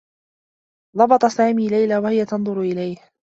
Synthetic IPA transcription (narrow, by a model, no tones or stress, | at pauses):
ðˤɑbɑt̪ˤɑsaːmiːlajlaːwahɪjat̪ɑnd̪ˤʊɾʊʔɪlajh